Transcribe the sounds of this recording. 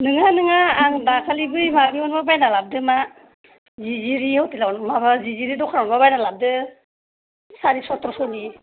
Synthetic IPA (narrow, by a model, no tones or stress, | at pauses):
nɯŋanɯŋaːŋdakʰalibɯjmabiɔnbabajnalap̚dɯma | ziziɾihawtilawnmabaziziɾidɔkʰaɾɔnbabajnalap̚dɯ | saɾisɔtɾɔsɔni